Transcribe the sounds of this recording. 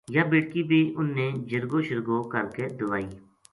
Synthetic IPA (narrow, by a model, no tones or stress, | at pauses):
jaːbeːɽkiːbʱiːʔʊnːeːd͡ʒəɾɡoːʃəɾɡoːkəɾkeːd̪ʊʋaːiː